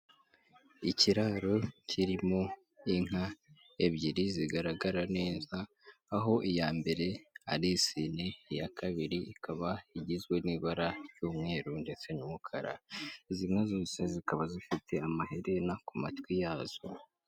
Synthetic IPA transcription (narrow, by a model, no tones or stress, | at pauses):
iciɾaːɾo̞cʰiɾimo̞ | iŋ̥a | eβɟiɾiziɡaɾaɡaɾaneːzaː | ɦo̞ʔijaːmbe̞ɾe̞a̰ɾisinejakʰaβiɾiikʰaβaiɟizwe̞niːβaɾaɾjuːmŋe̞ːɾunde̞t͡se̞ɲumukʰaɾa̰izinazoːse̞zikaβazifitʰe̞amaheɾe̞nakumatwijaːz̥o